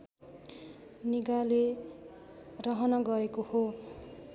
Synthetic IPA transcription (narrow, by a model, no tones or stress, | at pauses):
niɡale | rʌɦʌnʌɡʌekoho